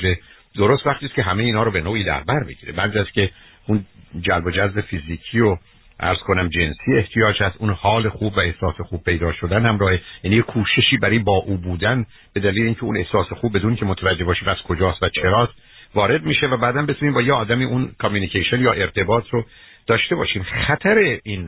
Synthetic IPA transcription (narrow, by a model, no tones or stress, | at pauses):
ɾe | d̪o̞ɾost̪væχt̪iːst̪kʰʲeɦæmeiːnhɒːɾobe̞noːiːd̪æ̰ɾbæɾbiɟiːɾḛbænd̪æskʲʰe̞ | und͡ʒælbo̞d͡ʒæzbe̞fiziːcʰio | ʔæ̰ɾz̥kʰo̞næmd͡ʒe̞nsiːeht̪ʰijɒːd͡ʒhæst̪ʔunhɒːle̞xuːbvæe̞hsɒːse̞xuːb̚pʰe̞jd̪ɒːʃo̞d̪ænhæmɾɒːhe̞jæːniːjekʰuːʃe̞ʃiːbæɾɔjbɒːʔuːbuːd̪æn | b̥e̞d̪æliːleiŋcʰeune̞̰hsɒːsexuːb̚ːe̞d̪uːnikcʰe̞mot̪ʰævæd͡ʒe̞hbɒːʃiːmæz̥kʰo̞d͡ʒɒːst̪væt͡ʃʰe̞ɾɒːt̪ | vɒːɾe̞d̪miːʃevæbæːd̪æmbe̞t̪ʰuːniːmbɒːjeɒːd̪æmiːʔunkʰɒmjuːnicʰeʃonjɒːʔe̞ɾt̪ʰe̞bɒːt̪ʰɾo | d̪̥ɒːʃt̪e̞bɒ̰ːʃiːmχæt̪ʰæɾe̞in